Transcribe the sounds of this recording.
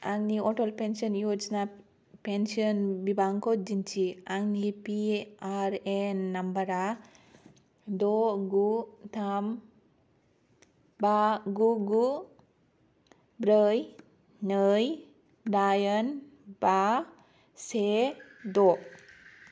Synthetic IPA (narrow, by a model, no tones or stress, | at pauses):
aŋniɔʈɔlpensiɔnjod͡ʒna | pensiɔnbibaŋkɔd͡ʒint͡ʃiaŋnipiaɾenːambəɾa | d̪ɔɡut̪ʰam | baɡuɡu | bɾəj | nəj | dajənba | sed̪o